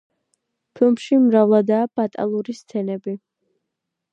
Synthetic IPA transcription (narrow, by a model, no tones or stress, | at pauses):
pʰilˠmʃimɾavlˠad̪aːb̥at̪ʼa̰lˠuɾist̪sʰɛnɛbi